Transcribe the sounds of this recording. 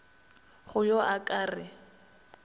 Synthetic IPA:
χʊjoʔakʼaːrɪ

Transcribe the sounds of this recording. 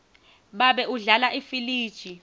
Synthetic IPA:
ɓaɓɛʔuɮalaʔifiliːd̥ʒ̥ʱi

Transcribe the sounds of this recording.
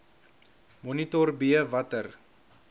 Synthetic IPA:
mɔnitɔrbiəvɐtər

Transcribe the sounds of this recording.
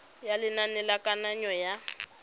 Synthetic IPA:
jalɪnanɛlakʼanaɲɔja

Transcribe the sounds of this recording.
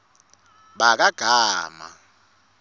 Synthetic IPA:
ɓak̬aɡ̥ʱaːma̰

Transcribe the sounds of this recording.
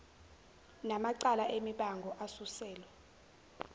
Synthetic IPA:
namaǀalaʔemiɓaŋɡʱɔʔasusɛːlwɛ

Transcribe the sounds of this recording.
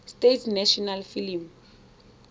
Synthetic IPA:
stetʰnɛʃɔnalfilim

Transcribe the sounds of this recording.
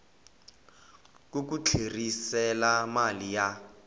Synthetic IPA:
k̬ʼuk̬ʼut͡ɬʰerisɛlamalija

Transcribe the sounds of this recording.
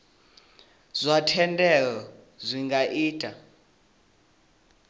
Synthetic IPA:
z̥ʷatʰɛndɛlɔ | zʷiŋɡaʔiːtʼa

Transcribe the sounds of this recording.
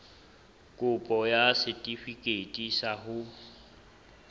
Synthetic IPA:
kʼʊpʼɔjasɪtʼifikʼetʼisaɦʊ

